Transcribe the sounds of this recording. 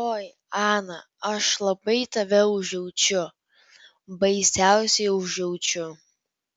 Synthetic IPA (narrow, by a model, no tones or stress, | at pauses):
oːj | ɑːnɐ | ɐʃlˠɐbɐɪt̪ɐʋʲɛʊʒʲɛʊt͡ʃʲʊ | bɐɪsʲæʊsʲɛɪʊʒɛʊt͡ʃʲʊ